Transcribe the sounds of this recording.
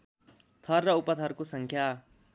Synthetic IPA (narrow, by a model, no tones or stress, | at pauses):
t̪ʰʌrːʌupʌt̪ʰʌrkosʌŋkʰja